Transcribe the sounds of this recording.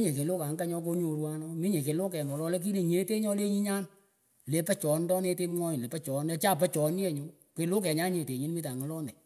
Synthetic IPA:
ɲe˨ke˨lo˦ka˨ŋɡa˦ɲɔ˧k̬o˧ɲo˨ɾwa˦nɔ˦mi˦ɲe˨ke˨lo˦kɛ˨ŋɔ˨lɔ˧lɛ˦k̬i˦le˨ɲe˨˦te˦ɲɔ˧le˦ɲi˦ɲa˦n | le˨˧pɛ˦t͡ʃɔ˨ndɔ˦ne˧te˦mŋɔ˦ɲɪ˨le˨pɛ˦t͡ʃɔ˨˦nɛ˧t͡ʃa˦˨p̬ɛ˦t͡ʃɔ˨n˦e˦˨ɲo˨˦ | ke˨lo˦k̬ɛ˨ɲa˦nɲe˨te˨ɲi˦nmi˦ta˨ŋɔ˨˦lɔ˦nɛ˨

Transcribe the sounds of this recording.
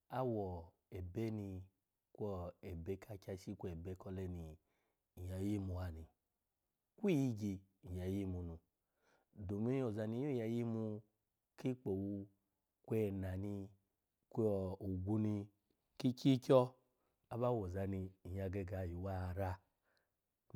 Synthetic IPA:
a˦wɔ˨ | e˨be˦ni˧ | kʷɔ˦e˨be˦ka˧kʲa˧ʃi˦kʷɛ˨be˧˦kɔ˧lɛ˧ni˧˨ | ja˨ji˦mu˧a˨˧ni˧ | kʷi˦ji˦ɡi˧ | i˨ja˨ji˦˨mu˧nũ˧ | do˨mi˦o˨za˧ni˧˦o˦˨ja˧˨ji˦mu˧ | ki˦k͡po˨wu˧ | kʷe˧˨na˨ni˧ | kʷu˨ɡʷu˧ni˧ | ki˦ki˦kʲɔ˦ | a˦ba˦wo˨za˧ni˧i˨ja˧ɡɛ˧ɡa˨ji˨wa˦˧˨ɾa˧

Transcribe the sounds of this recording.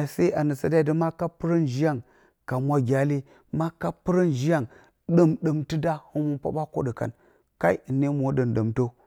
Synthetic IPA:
sa˦a˨nə˨sa˨da˦i˨də˦ma˦ka˦pɨ˦ɾə˦n˨ʒi˦ja˦˨ŋ | ka˨mʷa˦ɡʲa˦li˦ | ma˦ka˦pɨ˦ɾə˦nʒi˦ja˦˨ŋ | ɗə˦mɗə˨mti˦da˦hɨ˦nwu˦npa̰˦ba˦ko̰˦ɗə˨ka̰˨n | ka˦i˦˨nːe˦mo˨˦ɗə˨nɗə˨mto˦

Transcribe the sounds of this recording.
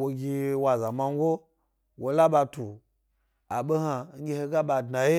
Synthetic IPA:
wo˧ɡʲi˧wa˨za˨ma˧ŋ˦ɡʷo˦ | wo˨la˦ɓa˧tu˨ | a˨ɓo˦ɦa˧ŋ̩˦ɡʲe˧he˧ɡa˦ɓa˧dna˨je˦

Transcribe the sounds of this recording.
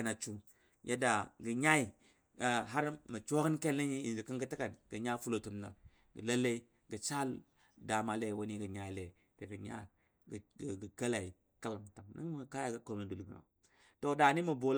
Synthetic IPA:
na˨t͡ʃu˦ | jʔa̰˦da˨ɡə˨ɲa˦i˨ | ɦa˦ɾmə˨t͡ʃo˦kə˦nke˦lːe˦ɲi˦i˨n˨d͡ʒi˨kə˦ŋɡə˦tə˦ka˨nɡə˨ɲa˦fu˦lo˨tu˨mna̰˨ | ɡə̰˨la˦lːe˦i˦ | ɡə˨t͡ʃa˦l | da˨ma˨le˦˨wo˦ni˦ɡə˨ɲa˦i˨˦le˨ | te˨pi˨ɲa̰˦˨ | ɡə˨ka˦la˨i˨ | ka˦la˨m˨ta˨ŋnə̰˦ŋ˦m˨ka˦ja˨ɡə˨ko˨nə˨du˨lɡə˨na̰˨ | to˨da˨ni˦mə˨bo˨l

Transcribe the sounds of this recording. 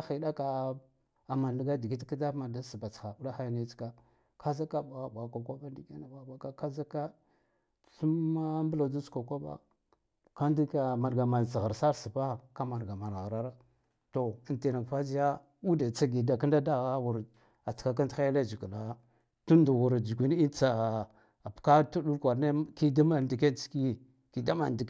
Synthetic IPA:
a˦xi˨da˦ka˨ | a˨ma˨n˨i˨˦ɡa˦di˨ɡi˦tki˦da˦ma˨da˦si˨ba˨t͡sxa˨bu˦la˦xa˦jni˦t͡ska˦ | ka˦za˦ka˦ɓa˨ɣa˦˨ɓa˨kʷa˨kʷa˦ba˦n˦di˨ɡa˦na˨ɓa˨ɓa˦ka˦ka˦za˦ka˦˨ | ɬu˦m˦a˦mbla˨du˦ska˨kʷa˦ɓa̰˦ | ka˦n˦di˦ka˨ma˨ɾɡa˨ma˨n˨t͡sɣa˨ɾsa˦ɾsi˨pa˦˨ka˦ma˨ɾɡa˨ma˨ɾa˨ɾa˦ɾa˦ | to˨i˨nti˨na˨kfa˦zi˦ja˦ | u˦da˨t͡sa˦ɡi˨da˨ka˦nda˦da˦ɣa˦ɣu˨ɾ | a˨tka˦ka˦n˦xa˦ja˦la˦˨d͡ʒi˨ku˨la˨˦ | tu˦ndu˨ɣu˨ɾd͡ʒu˨ɡʷi˨˦n˦i˦t͡sa˨ | a˨pka˦tu˦ɗu˦kʷa˨ɾne˦ki˦da˦ma˨di˨ke˦nt͡si̥˦ki˦˨ | ki˨da˦ma̰˨n˨di˨

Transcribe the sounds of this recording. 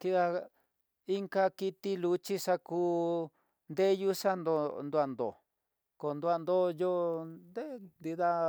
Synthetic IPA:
ki˧ða˧ | i˦ŋka˧ki˧t̪i˦lu˧t͡ʃi˦ʂa˧kuː˦ | nd̪e˦ju˦ʂa˦nd̪o˧nd̪u˧a˧nd̪o̰˨ | ko˨nd̪u˧a˧˨nd̪o˦jo˦nd̪e˦nd̪i˧ða˧

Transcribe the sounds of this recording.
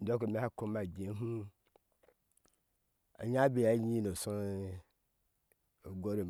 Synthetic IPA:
do˦k̬o˨me˦ha˦ko˦ma˨ɡe˨˦ɦu˦ | a̰˨ɲa˦be˨ja˨˦ɲi˦no˨so˦˨ | ɡo˦ɾe˨

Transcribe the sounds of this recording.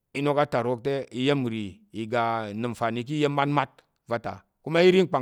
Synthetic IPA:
i˦no˦ka˦ta˨ɾo˦k̚te˦i˧je˦m˨ɾi˨ | i˨ɡa˨nɨ˨m˨fa˨ni˨˧k̬i˦je˦mː˦a˦tma˦t̚ | va˦ta̰˨ | ku˦ma˦i˦ɾi˦ŋ˦k͡pa˨

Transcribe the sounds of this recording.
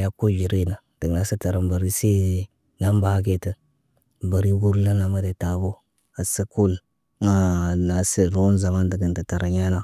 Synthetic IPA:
ja˦ko˦d͡ʒi˨ɾe˦na˨d̥ə˨ɡa˨˦sə˦ta˨ɾa˨mba˨ɾi˦se˦˨ | na˦mba˦ke˦tə˨ | ba˨ɾi˦ɡu˦ɾla˦na˨ma˦de˨ta˨bo˦ | a˨sə˦ku˦l | a˦˨na˨sə˨ɾo˦nza˨ma˦ndə˨ɡə˨ntə˨ta˨ɾʔa˨ɲa˦na˦

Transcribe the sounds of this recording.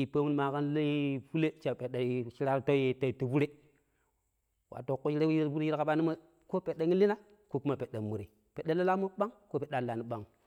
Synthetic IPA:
i˨pa˦mu˦n˨ma˨ka˦n˦la˦fu˦le˦t͡ʃa˨pe˨ɗa˨˦ʃi˦ɾa˦ɾto˦je˨ta˨i˨ti˨bu˦ɾe˦ | wʔa̰˨to˨kːo˦ʃi˦ɾe˦wji˦ɾbu˦ɾe˦ji˦ɾka˨ba˦ni˦ma˦ | ko˦pe˨ɗa˨ŋi˦li˦na˦ | ko˦ku˦ma˨pe˨ɗa˨mu˨ɾi˨ | pe˨ɗa˦la˦la˦mo˦ɓa˦ŋko˦pe˨da˦˨la˨ni˨ɓa˦ŋ

